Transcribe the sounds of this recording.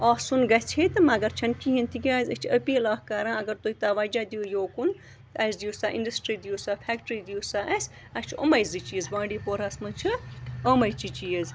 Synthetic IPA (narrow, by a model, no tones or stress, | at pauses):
ɔːsunɡɐt͡ʃʰet̪ɨmɐɡɐɾt͡ʃʰɐnkiɦint̪ʰiɡʲaːzʲɐt͡ʃʰɐpilaːkkaɾãːɐɡɐɾt̪uit̪aʋaːd͡ʒaːd̪iujoːkun | t̪ɐsd̪ijusaːʔinɖɐsʈɾiːd̪ijusaːpʰɛːkʈɾid̪ijusaːʔɐsʲ | ɐst͡ʃʰo̰mɐjzɨt͡ʃizbãːɖiːpoɾasmɐnt͡ʃʰɨomɐjt͡ʃit͡ʃiəz